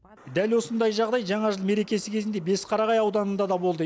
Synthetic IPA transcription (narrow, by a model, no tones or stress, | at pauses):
d̪ælwo̞sənd̪ɑjʒɑʁd̪ɑjʒɑɴɑʒəlˠme̞ɾe̞kʲe̞sɪkʲʰe̞zɪnd̪e̞be̞sqʰɑɾɑʁɑjɑwd̪ɑnənd̪ɑd̪ɑbo̞lˠd̪ə